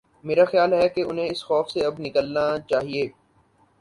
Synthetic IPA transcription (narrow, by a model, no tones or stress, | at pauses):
meːɾaxjaːlɦɛkeʊnɦẽɪsxɔːfseɐbnɪkəlnat͡ʃaːɦieː